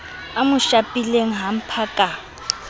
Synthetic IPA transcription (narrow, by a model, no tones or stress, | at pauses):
amʊʃapʼileŋ̩ɦam̩pʰakʼa